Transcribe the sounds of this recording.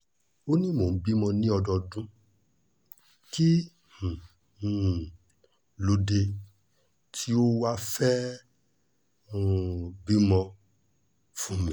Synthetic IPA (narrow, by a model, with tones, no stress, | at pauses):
o˦nĩ˦mo˨n̩˦bi˦mɔ̃˧nĩ˦ɔ˧dɔ˧dũ˦ | ki˦ | h̩˨ | lo˧de˧ | tʰi˦o˦wa˦fɛ˦˨ | bi˦mɔ̃˧ | fũ˦˨mĩ˨